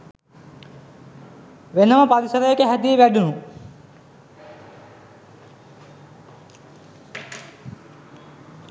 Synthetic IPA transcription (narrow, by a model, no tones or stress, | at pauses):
ʋenəməpaɾisəɾəjekəɦæd̪iːʋæɖunu